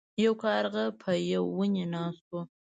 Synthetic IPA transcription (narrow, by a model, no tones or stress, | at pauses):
jawkɑɾɣapʰəjawːunenɑst̪o